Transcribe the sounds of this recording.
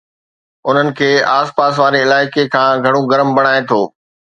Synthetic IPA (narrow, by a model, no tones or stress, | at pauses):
ʊn̤ənɪ̆kʰeːaːspaːsʋaːɾeɪlaːɪkekʰãːɡʱɐɽ̃oɡɐɾəmbɐɽ̃aːet̪ʰoː